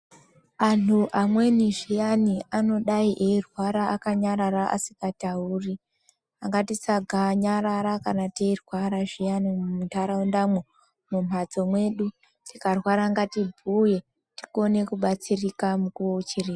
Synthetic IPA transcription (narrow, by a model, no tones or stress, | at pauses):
anuʔamwe̞niʐijaniano̞ɗaiʔeirwaɾaʔakaɲaɾaɾaʔa̰sikatauːri | aŋɡatisaɡʱaɲaɾaɾakanateirwaɾaʐijanimumutaɾaundamo | mum̤ad͡zo̞mwe̞ɗu | tikarwaɾaːŋɡatibʱuje̞ | ti̥kone̞kuɓat͡sirikamukuout͡ʃiriːa